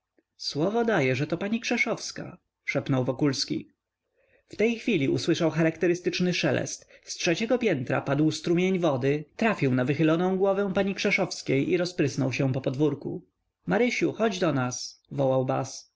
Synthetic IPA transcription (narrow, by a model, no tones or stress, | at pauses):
swɔvɔd̪ajɛʐɛt̪ɔpaɲikʂɛʂɔfska̰ | ʂɛpnɔwvɔkulskʲḭ | ft̪ɛjxfʲilʲiṵswɘʂawxaɾakt̪ɛɾɘst̪ɘt͡ʂnɘʂɛlɛ̰st̪stʂɛt͡ɕɛɡɔpʲjɛnt̪ɾa̰pad̪wst̪ɾumʲjeɲvɔd̪ɘt̪ɾafʲiwnavɘxɘlɔnɔ̃w̃ɡwɔvɛ̃w̃paɲikʂɛʂɔfskʲejʔiɾɔspɾɘsnɔwɕɛ̃pɔpɔd̪vuɾkṵ | maɾɘɕuxɔd͡ʑd̪ɔnasvɔwawba̰s